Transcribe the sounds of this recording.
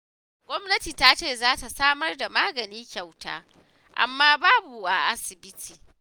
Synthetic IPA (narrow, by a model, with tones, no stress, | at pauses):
ɡʷɔ˦mnɐ˦tiː˨taː˦t͡ʃeː˦˨zaː˦ta˨saː˦mɐ˦rda˨maː˦ɡɐ˨niː˦kʲa˨wta̰ː˦ | ʔa̰˨mːaː˦baː˦bu˨ʔa˨ʔa˦sɪ˨bɪ˦tʰiː˨